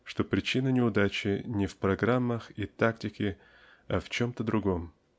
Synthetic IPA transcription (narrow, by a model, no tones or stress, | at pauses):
ʂt̪o̞pɾʲɪt͡ɕinənʲɪʊd̪at͡ɕɪnʲɪfpɾɐɡɾamːəxit̪aktʲɪkʲɪ | ɐft͡ɕo̞mt̪əd̪ɾʊɡo̞m